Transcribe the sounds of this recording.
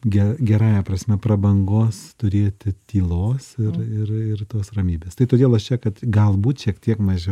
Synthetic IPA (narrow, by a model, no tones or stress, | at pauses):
ɡʲɛɡʲɛɾɑːjɛpɾɐsʲmʲɛprɐbɐŋɡoːst̪ʊɾʲeːt̪ʲɪt̪ʲiːlˠoːsɪɾɪrɪrt̪oːsrɐmʲiːbʲeːst̪ɐɪt̪oːd̪ʲeːlˠɐʃt͡ʃʲɛkɐt̪ɡɐlˠbuːt̪ʃʲiɛkt̪ʲiɛkmɐʒʲɛ